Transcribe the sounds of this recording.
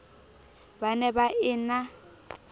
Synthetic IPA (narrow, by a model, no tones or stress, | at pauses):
banɛbaʔɪna